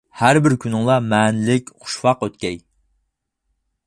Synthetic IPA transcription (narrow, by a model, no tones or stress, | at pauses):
hæɾbɪɾkʲʰynɪŋlˠɑmɛːnɪlɪkʲχʊ̥ʃwɑqøt̪̚kʲɛj